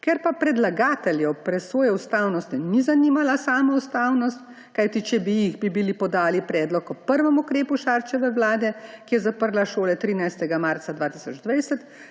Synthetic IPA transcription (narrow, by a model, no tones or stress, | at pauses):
kɛɾpapɾɛd̪laɡaːt̪ɛljɛpɾɛsoːjɛust̪aːwnɔst̪inizaniːmalasaːmɔust̪aːwnɔst̪ | kajt̪it͡ʃɛbijiɣbibilipɔd̪aːlipɾɛːd̪lɔkɔpəɾʋəmukɾeːpuʃaːɾt͡ʃɛʋɛwlaːd̪ɛkijɛzapəɾlaʃoːlɛt̪ɾiːnajst̪ɛɡamaːɾt̪sad̪ʋaːt̪isɔd͡ʒd̪ʋɛjsɛt̪